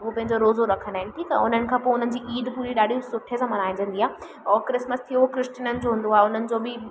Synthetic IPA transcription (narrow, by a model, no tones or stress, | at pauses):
uɦopɐ̃ɦɪ̃ɲd͡ʑoɾoːzoɾɐkʰə̃nd̪aːɦɪnɪ̆ʈʰiːka̰ʊn̤ənɪ̆kʰãːpoːʊn̤ənɪ̆d͡ʑiːʔiːd̪puːɾiɗaːɗisʊʈʰiesãːmɐnaːɪ̃ɲd͡ʑə̃nd̪iaːɦ | ɔːɾkɾɪsməst̪ʰijokɾɪsʈinənɪ̆d͡ʑoːɦũːnd̪oaːɦeʊnənɪ̆d͡ʑoːbɪ